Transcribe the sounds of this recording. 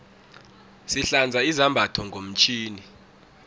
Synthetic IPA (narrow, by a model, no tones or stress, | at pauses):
siɬand͡zʱaizambʱatʰɔŋɡʱom̩t͡ʃʰʼiːni